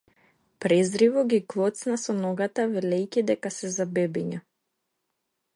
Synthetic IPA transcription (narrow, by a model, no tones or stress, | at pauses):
pɾɛzɾivɔɡʲiklˠɔt̪snasɔnɔɡat̪avɛlɛjcʲid̪ɛkasɛzabɛbiɲa